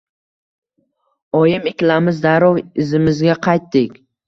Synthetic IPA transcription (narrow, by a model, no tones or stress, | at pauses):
ɒjɪmɪkʲlamɪzd̪aɾɒwɪzɪmɪzɡʲaqʰɑjt̪ːɪkʲ